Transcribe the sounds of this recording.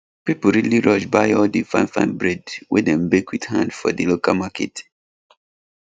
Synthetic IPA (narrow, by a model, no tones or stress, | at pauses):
pipl̩ɹiliɹɔʃbaɪɔldifãɪ̃nfã̰nbɹɛdwḭdɛ̃mbekʰwithã̰ndfɔ̰dilokalmakʰɛ̰t